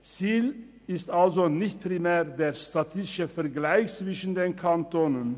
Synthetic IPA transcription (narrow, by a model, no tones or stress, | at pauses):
t͡siːl | ɪstʔalzonɪçt̚pʁ̥imɛːʁdeːʃtatʰɪstɪʃəfɛɐɡlaɪçt͡sv̥ɪʃn̩deːnkʰantonən